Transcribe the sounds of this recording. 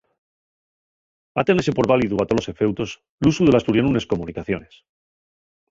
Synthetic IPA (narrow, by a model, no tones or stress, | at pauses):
at̪enese̞po̞ɾβaliðuat̪o̞lo̞se̞fe̞wt̪o̞s | lusuðe̞last̪uɾjonune̞sko̞munikaθjo̞̰nes